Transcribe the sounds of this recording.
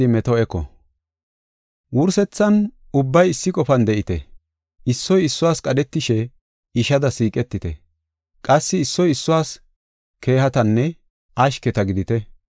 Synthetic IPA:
ɪmɛt̪ɔɛkɔ̰ | wʊɾsɛt͡sːɐn | ʊbːɐjɪsːɪkʼɔfɐnd̪ɛʔɪt̪ɛ̰ | ʔɪsːɔjɪsːʊwaːskʼɐdɛt̪ːɪʃɛ | ɪʃɐd̪ɐsiːkʼɛt̪ːɪt̪ɛ | kʼɐsːɪːsːɔjɪsːʊwaːs | kʰe̞ːɦɐt̪ɐnːɛ | ɐʃkɛt̪ɐɡɪd̪ɪt̪ɛ

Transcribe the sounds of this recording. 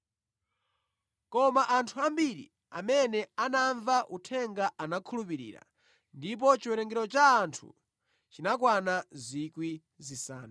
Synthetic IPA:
kɔmaʔantʰuambiɾḭ | a̰mɛnɛanaɱvaʔutʰɛŋɡaʔanakʰulup̬iɾḭːɾa̰ | ndip̬ɔt͡ʃiwɛɾɛŋɡɛɾɔt͡ʃaːntʰṵ | t͡ʃinak̬wanazikwi | zisaːna

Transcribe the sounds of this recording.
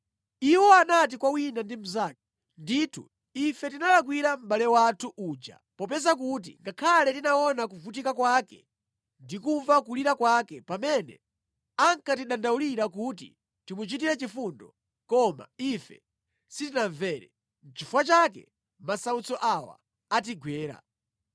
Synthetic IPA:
iwɔanat̬ikwawinandim̩zak̚i̥ | nditʰṵ | ifɛtinalak̬wiɾam̩ɓalɛwatʰuʔuːd͡ʒa̰pɔpɛzak̬ut̬ḭŋɡakʰalɛtinaɔnak̬uvut̬ikakwakɛ | ndikuvakuliɾakwakɛpamɛnɛ̰ | aŋkatiɗandauliɾakutḭ | timut͡ʃit̬iɾɛt͡ʃifundɔ̰ | kɔma̰ifɛ̰ | sitinaɱvɛːɾɛ | n̩t͡ʃifuwat͡ʃakɛ̰ | masaut͡sɔʔawa̰ː | t̬iɡwɛːɾa̰

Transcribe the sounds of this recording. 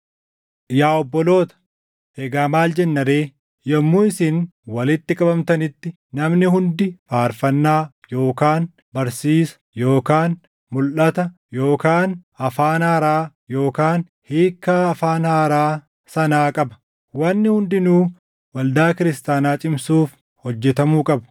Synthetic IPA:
jaːɔbːɔlo̞ːt̪ɐ̥ | eɡaːmaːld͡ʒɛnːɐɾeː | jɐmːuːɪsɪnwɐlɪt̪ːɪkʼɐbɐmt̪ɐnɪt̪ːɪ | nɐmnɪɦʊnd̪ɪfaːɾfɐnːaː | jo̞ːkaːn | bɐɾsiːsɐ̥jo̞ːkaːn | mʊlʔɐt̪ɐ | joːkaːnɐfaːnhaːɾaː | jo̞ːkaːn | hiːkːaːɐfaːnhaːɾaː | sɐnaːkʼɐbɐ̥ | wɐnːɪhʊnd̪ɪnuː | wɐld̪aːkɪɾɪst̪aːnaːt͡ʃʼɪmsuːf | hɔd͡ʒːɛt̪ɐmuːkʼɐbɐ̥

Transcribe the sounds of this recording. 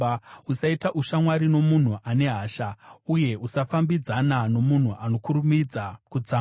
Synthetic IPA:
usaitaʔuʃamwaɾino̞mun̤uʔane̞ɦaːʃauje̞usafambid͡zanano̞mun̤uʔano̞kuɾumid͡zakud͡zaː

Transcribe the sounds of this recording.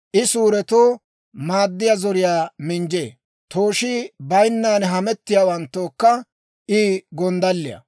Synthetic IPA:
ʔɪsuːɾɛt̪oː | maːd̪ːɪjazɔɾɪjaːmɪnd͡ʒḛː | t̪ʰoːʃɪbɐjnːaːnɦɐmɛt̪ːɪjaːwɐnt̪ːoːkːɐ | ʔiːɡɔnd̪ɐlːɪ̰jɐ̰

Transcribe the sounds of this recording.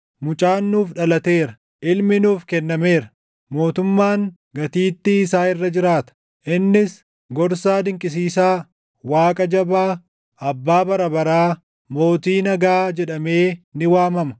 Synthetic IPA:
mʊt͡ʃʼaːnːuːfᶑɐlɐt̪e̞ːɾɐ | ʔɪlmɪnuːfkɛnːɐme̞ːɾɐ | mo̞ːt̪ʊmːaːŋ | ɡɐt̪iːt̪ːɪːsaːɪrːɐd͡ʒɪɾaːt̪ɐ̥ | ʔɪnːɪs | ɡɔɾsaːd̪ɪŋkʼɪs̬iːsaː | waːkʼɐd͡ʒɐbaː | ʔɐbːaːbɐɾɐbɐɾaː | mo̞ːt̪iːnɐɡaːd͡ʒɛᶑɐme̞ːnɪwaːmɐmɐ̥

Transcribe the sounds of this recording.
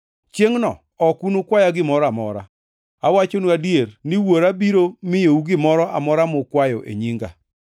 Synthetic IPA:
t͡ʃjeŋnɔ̰ | ɔkunokwajaɡɪmɔɾamɔɾa̰ | awat͡ʃonuadjernɪwoɾabiɾomɪjouɡɪmɔɾɔʔa̰mɔɾamʊkwajɔʔḛɲiŋɡa̰

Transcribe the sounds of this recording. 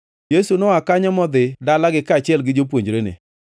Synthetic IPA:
jesunɔakaɲɔmɔd̪ɪdalaɡɪkat͡ʃɪɛlɡɪd͡ʒopwoɲd͡ʒɾenḛ

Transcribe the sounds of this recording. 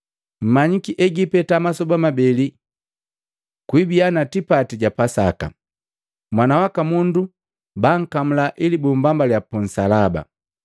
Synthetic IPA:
m̩maɲikiʔɛɡipɛtamasɔbamabɛli | kwibianatipatiɟapasaka̰ | mwanawakamundu | baŋ̩kam̩laʔilibumbambaljapun̩salaba̰

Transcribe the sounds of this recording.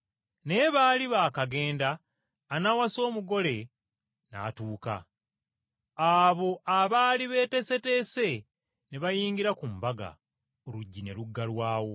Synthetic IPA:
ne̞βaːliβaːkaɡe̞ːndaː | nawaso̞ːmuɡo̞le̞ | na̰ːtuːka̰ | aβo̞ʔaβaːliβe̞ːte̞se̞te̞ːse̞ | neβajiːŋɡiɾakumbaɡa̰ | oluɟːine̞luɡːalwaːwo̞

